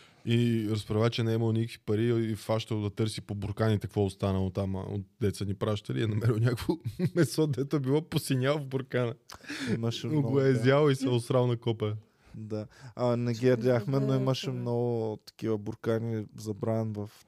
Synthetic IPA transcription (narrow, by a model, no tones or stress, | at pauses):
iɾɐspɾɐvat͡ʃɛnɛimɐlˠnʲikə̥kv̥ipɐɾiːfaʃt̪əlˠd̪ɐt̪ɤɾsipobʊɾkanit̪ɐkvɔost̪anəlˠot̪am̰o̰t̪̚d̪ɛt̪sənipɾaʃt̪əliɛnɐmɛɾilwnʲakvomɛsɔd̪d̪ɛt̪ʊɛbilˠɔposinʲalˠvbʊɾkanəimɐʃɛnoɡoɛzʲalˠoisɛʊsɾalˠnɐkɔpɛ | d̪aanɛɡiɐɾd̪ʲaxmɛnoiməʃɛmnɔɡʊt̪ɐ̥kivəbʊɾkanizɐbɾanvɐf